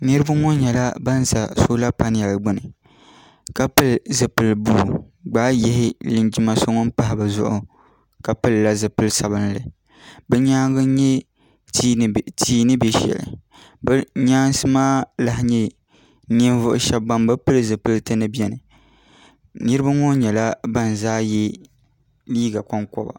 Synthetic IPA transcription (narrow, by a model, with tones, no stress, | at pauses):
nɨ˦ɾɨ˦ba˦ŋo˦ɲɛ˨la˦ba˦n˦za˨so˦la˦pa˦n˦ja˨lɡ͡bɨ˨nɨ˨ | ka˦pɨ˦lzɨ˨pɨ˨lbuː˦˨ | ɡ͡baː˦jɛ˦ɦɪ˦lɨ˨nd͡ʒi˦ma˨so˦ŋɔ˦npa˨ɦɪ˨bɨ˨zʊ̰˦ʔʊ˨ | ka˨pɨ˦lːa˦zɨ˨pɨ˦lsa˨bɨ˦nlɨ̰˨ | bɨ˦ɲaː˦ɡɨ˦ɲɛ˦ | tʰiː˨˦nɨ˦bɛ˦ʃɛ̰˨lɨ̰˨ | bɨ˦ɲaː˦n˦sɨ˦maː˦la˦ɦɪ˦ɲɛ˦ | ni˦n˦vʊ˦ʔʊ˨ʃɛ˦bːa˦mbɨ˦pɨ˦lzɨ˨pɨ˦ltɨ˦nɨ˦bjɛ˨nɨ˨ | nɨ˦ɾɨ˦ba˦ŋo˦ɲɛ˨la˦ba˦n˨zaː˦jɛ˦ | liː˦ɡa˨kɔ˦ŋkɔ̰˨ba̰˨